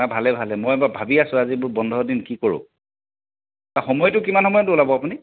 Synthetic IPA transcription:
abʱalɛbʱalɛmɔjɛbabʱabiasʊ̃azibʊɹbɔndʱɔɔdinkikoɹʊ̰̃ | taxɔmɔjtʊkimanxɔmɔjɔtʊulabɔapuni

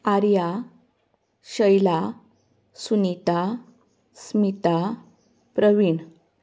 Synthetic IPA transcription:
aɾja | ɕəjla | sunit̪a | smit̪a | pɾəʋiɳ

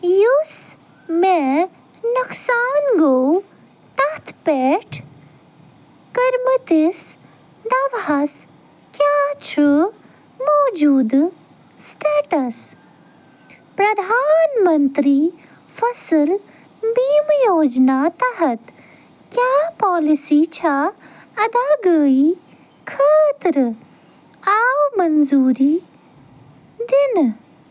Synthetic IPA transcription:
jus | me | nɐksaːnɡow | t̪ɐɦt̪ʰpeːʈʰ | kɐɾmɨt̪is | d̪ɐʋɐs | kjaːt͡ʃʰu | mɔːd͡ʒuːd̪ | sʈeːʈɐs | pɾɐd̪ʱaːnmɐnt̪ɾiː | fɐsəl | biːmjoːd͡ʒnaːt̪ɐɦɐt̪ | kjaːpɔːlisit͡ʃʰaː | ɐd̪aːɡəːi | kʰaːt̪ɾɨ | aːwmɐnzuːɾiː | d̪in

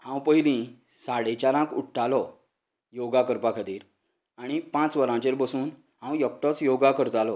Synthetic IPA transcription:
hãwpəɦilĩ | saɽet͡ɕaɾãkuʈʈːalɔ | joɡakəɾpakʰəd̪iːɾ | aɽ̃ipãt͡sʋəɾãt͡ɕeɾbəsuːn | ɦãwjək̚ʈɔt͡sjoɡakəɾt̪alɔ

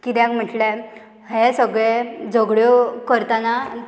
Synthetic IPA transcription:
kit̪akm̤əʈle | hesəɡɭed͡zəɡɭjɔkəɾt̪ana

